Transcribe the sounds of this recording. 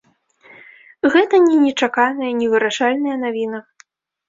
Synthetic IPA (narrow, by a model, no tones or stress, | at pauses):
ɣɛt̪ɐnʲɛnʲɛt͡ʂakanɐjɐnʲɛvɨɾaʂalʲnɐjɐnavʲinɐ